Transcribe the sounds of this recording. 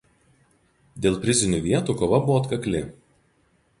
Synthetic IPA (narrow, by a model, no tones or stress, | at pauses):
d̪ʲeːlˠpʲɾʲɪzʲɪnʲuːˑʋʲiɛt̪uːˑkoːʋɐbʊʋɔːt̪kɐklʲɪ